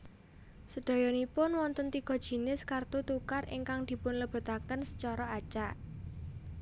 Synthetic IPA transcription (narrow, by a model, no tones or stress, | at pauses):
səɖ̪̥a̤jɔnipʊnwɔnt̪ənt̪iɡ̥ɔ̤d̥ʒ̥i̤nɪskart̪ut̪ukarɪ̰ŋkaŋd̪̥i̤pʊnləb̥a̤t̪akənsə̥t͡ʃɔɾɔat͡ʃaʔ